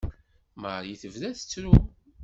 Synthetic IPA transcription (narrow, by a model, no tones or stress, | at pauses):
məɾjiθəvðæθə̥t͡sːɾu